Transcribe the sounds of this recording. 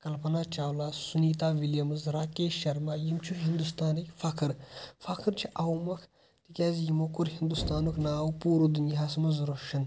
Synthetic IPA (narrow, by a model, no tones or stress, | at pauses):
kɐlpɐnaːt͡ʃaːwlaːsuniːt̪aːʋiljɐmɨzɾaːkeːʃɐɾmaːjimt͡ʃʰuɦind̪ust̪aːnikʲfɐkʰɨɾfɐkʰɨɾt͡ʃʰiʔawmɐkʰ | t̪ikʲaːzijimokuɾhind̪ust̪aːnukʰnaːwupuːɾud̪unjɦaːsmɐzɾoʃɐn